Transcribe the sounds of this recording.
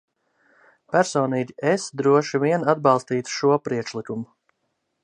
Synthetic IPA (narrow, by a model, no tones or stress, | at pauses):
pʲæɾsɔːniːɟʲiʔesd̪ɾuɔʃiviɛnad̪̚bɑlˠst̪iːt̪ʃuɔpɾiɛkʃlˠikumu